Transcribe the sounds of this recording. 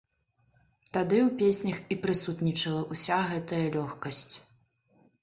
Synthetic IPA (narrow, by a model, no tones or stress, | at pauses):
t̪ad̪ɨuwpʲesʲnʲɐxipɾɨsut̪nʲit͡ʂɐlˠɐʔusʲaɣɛt̪ɐjɐlʲɔxkɐsʲt͡sʲ